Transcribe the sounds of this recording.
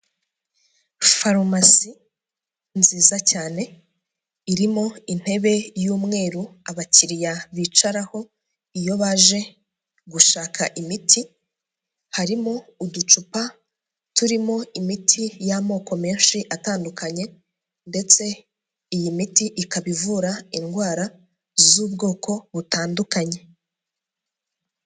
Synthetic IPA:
faɾmasi | nziːzacaːne̞ | iɾimo̞in̥e̞βe̞juːmŋe̞ːɾuaβaciɾijaβiːt͡ʃaɾaho̞ | ijo̞βaʒe̞ | ɡuʃaːkʰaʔimitʰi | haɾimo̞udut͡ʃupa | tuɾimo̞imitʰijamo̞ːko̞meːnʃiʔataːndukʰaɲe̞ | nde̞t͡se̞ | ijimitiʔikaβivuɾainɡwaːɾa | zuːbɡo̞ːkʰo̞βutaːndukaɲe̞

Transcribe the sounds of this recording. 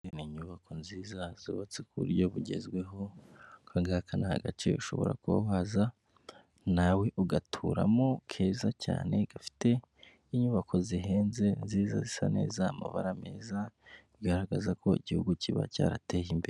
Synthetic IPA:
niɲuβako̞nziːzaz̥iβat͡sikuṵɾɟo̞βuɟe̞̰zɡwe̞ɦo̞kaŋɡakʰanaha̰ɡat͡ʃḛuʃo̞βo̞̰ɾa̰kuβa̰βaza | nawe̞ʔuɡatʰuɾamokʰe̞ːzaca̰ːne̞ɡ̥afi̥te̞ | iɲuβakʰo̞ziɦe̞ːnze̞nziːza̰zisa̰ne̞̰ːzaːma̰βaɾame̞ːzaβiɡaɾaɡazako̞iɟihuɡuciβa̰ca̰ːɾa̰tejimbeɾe

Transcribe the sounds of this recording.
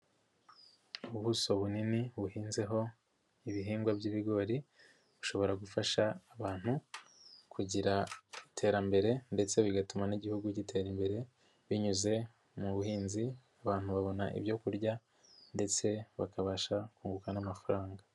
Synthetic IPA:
uβuso̞βuniniβuhiːnze̞ɦo̞ | iβiɦiːŋɡwabɟiːβiɡo̞ɾi | βuʃo̞βo̞ɾaɡufaʃaːβaːn̥hu | kʰuɟiɾaitʰe̞ːɾambe̞ɾe̞nde̞t͡se̞βiɡatumaniɟihuɡuɟitʰe̞ːɾimbe̞ɾe̞ | βiɲuze̞ | muβuhiːnziaβaːnhuβaβo̞naʔḭβjo̞kuɾɟa | nde̞t͡se̞βakaβaʃakuːŋɡukanamafaɾaːŋɡa

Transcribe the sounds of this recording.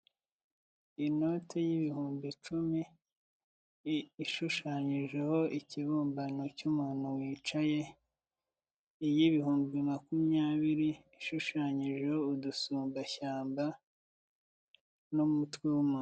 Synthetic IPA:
ino̞tʰejiβihuːmbit͡ʃumi | iʃuʃaɲiʒeho̞ʔiciβuːmbanocumuːn̥huwiːt͡ʃaje̞ | jiβihuːmbimakumjaːβiɾiː | ʃuʃaːɲiʒe̞houdusuːmbaçaːmba | numutwe̞wumuːn

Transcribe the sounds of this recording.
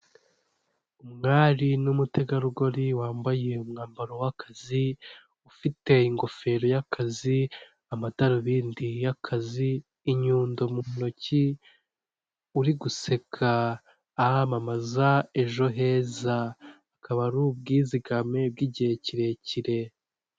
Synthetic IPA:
umŋaːɾinumutʰe̞ɡaɾuɡo̞ɾiwaːmbaje̞umŋaːmbaɾowakʰazi | ufite̞iŋɡo̞fe̞ɾo̞jakʰazi | amataɾoβiːndijakʰaziː | ɲuːndomuno̞ci | uɾiɡuse̞kʰaː | hamamazae̞ʒo̞ɦe̞ːzaː | kaβaɾub̚ɡiːziɡame̞bɡiɟeciɾe̞ciɾe̞

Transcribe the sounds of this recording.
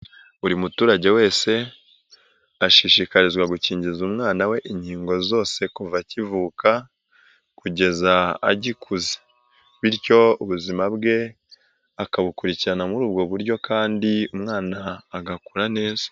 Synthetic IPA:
uɾimutuːɾaɟe̞we̞ːse̞ | aʃiʃikaɾizɡwaɡuciːɲɟizumŋaːnawe̞ʔiɲhiːŋɡo̞zo̞ːse̞kuvacivuːka | kuɟe̞za̰ːɟikʰuze̥ | βiɾco̞uβuzimabɡe̞ | akaβukuɾiciɾanamuɾuːb̚ɡo̞βuɾɟo̞kʰaːndiumŋaːnaːɡakuɾane̞ːzḁ

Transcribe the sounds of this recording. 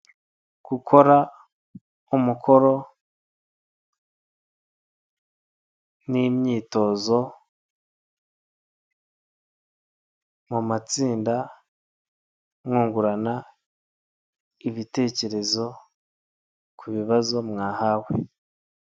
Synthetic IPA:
ɡ̥ukʰo̞ɾa | umukʰo̞ɾo̞ | nimɲiːto̞zo̞ | mumat͡siːnda | mŋuːŋɡuɾana | iβite̞ːce̞ɾe̞zo̞ | kʰuβiβazo̞mŋaːhawe̞

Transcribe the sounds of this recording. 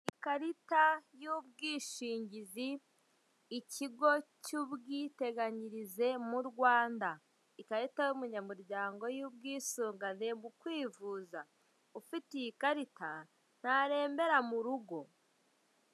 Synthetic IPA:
ikaɾitajub̚ɡiːʃiːɲɟiziː | ciɡo̞cuβɡiːte̞ɡaɲiɾize̞muɾɡwaːnda | ikaɾitajumuɲamuɾɟaːŋɡo̞jubɡiːsuːŋɡane̞mukwiːvuːza | ufitijikaɾita | n̥haɾe̞ːmbe̞ɾamuɾuɡo̞

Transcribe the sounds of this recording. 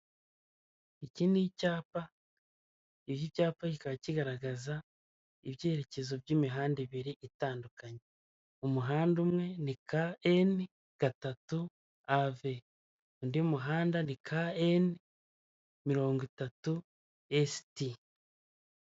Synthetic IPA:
iciːndicaːpa | iβjicaːpaɟikaβaciɡaɾaɡaza | iβjeːɾe̞ce̞zo̞bɟiːmiɦaːndiβiɾiʔitaːndukaɲe | umuɦaːndumŋe̞nikaen | ɡ̥atatu | ave | undiumuɦaːndanikʰaen | miɾo̞ːŋɡitatu | esti

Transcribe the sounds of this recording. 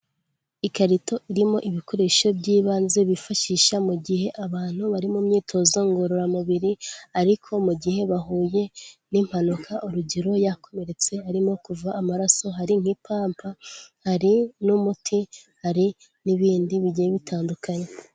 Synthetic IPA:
ikaɾito̞ʔiɾimo̞ʔiβikʰo̞ɾeʃo̞bɟiːβaːnze̞βifaʃiʃamuɟihe̞ʔaβaːn̥huβaɾimumɲiːtʰo̞zoŋɡo̞ɾoɾamuβiɾiaɾikʰo̞muɟihe̞βaɦuːje̞nim̥hanukʰaʔuɾuɟiɾo̞jakʰo̞me̞ɾe̞t͡se̞aɾimo̞kuvaːmaɾaso̞ɦaɾiŋ̥hipʰaːmpʰahaɾinumutʰihaɾi | niβiːndiβiɟieβitʰaːndukaɲe̞

